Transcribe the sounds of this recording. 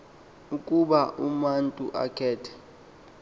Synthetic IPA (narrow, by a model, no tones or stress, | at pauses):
ukʼuɓaʔumantʼuʔa̰kʰɛːtʰɛ̥